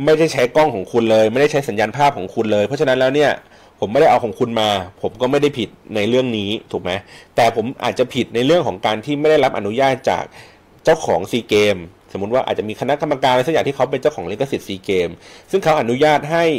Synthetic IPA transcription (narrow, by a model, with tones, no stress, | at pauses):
ma˥˩jda˥˩jt͡ɕʰa˦˥jkɔː˥˩ŋkʰɔː˩˦ŋkʰu˧nlɤː˧jma˥˩da˥˩jt͡ɕʰa˦˥˩sa˩˦njaː˧npʰaː˥˩p̚kʰɔː˩˦ŋkʰu˧nlɤː˧jpʰɔ˦˥t͡ɕʰa˧na˦˥nlɛː˦˥wni˥˩ɐ | pʰo˩˦ma˥˩da˥˩jʔa˧wkʰɔ˩˦ŋkʰu˧nmaː˧pʰo˩˦mkɔː˥˩ma˥˩jda˥˩jpʰi˨˩t̪̚na˧jɾɯ˥˩əŋniː˦˥t̪ʰuː˨˩k̚ma˦˥jt̪ɛː˨˩pʰo˩˦mʔa̰ː˨˩t̪̚t͡ɕa˨˩pʰi˨˩t̪̚na˧jɾɯ˥˩əŋkʰɔː˩˦ŋkaː˧nt̪ʰiː˥˩ma˥˩jda˥˩jla˦˥p̚ʔa̰˧nu˦˥jaː˥˩t̪̚t͡ɕa̰ː˨˩k̚ | t͡ɕa˥˩wkʰɔ̰ː˩˦ŋsiː˧keː˧msoː˩˦u˦˥t̪̚waː˥˩ʔa̰ː˨˩t̪̚t͡ɕa˨˩miː˧kʰa˧na˦˥ka˧mːa˧kaː˧nla˧sk̚jaː˨ŋt̪ʰiː˥˩kʰwpe˧nt͡ɕa˥˩wkʰɔː˩˦ŋli˦˥ka˧si˨˩t̪̚siː˧keː˧msɯ˥˩ŋkʰa˦˥wʔa˧nu˦˥jaː˥˩t̪̚ɦa˥˩j